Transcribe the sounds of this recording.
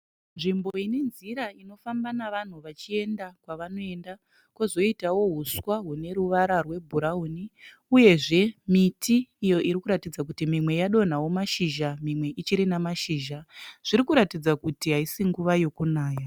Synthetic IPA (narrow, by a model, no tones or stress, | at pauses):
nʐimbo̞ine̞nziɾaino̞fambanaʋan̤uʋat͡ʃie̞ndakwaʋano̞e̞nda | kozo̞itawo̞ɦuswaɦune̞ɾuʋaɾarwe̞bʱuɾauni | uje̞ʐe̞mitʰiːjo̞ʔiɾikuɾatid͡zakutimimwe̞jaɗo̞n̤awo̞maʃiʒamimwe̞ʔit͡ʃiɾinamaʃiːʒaʐ̥iɾikuɾatid͡zakutiɦaisiŋɡuʋajo̞kunaːja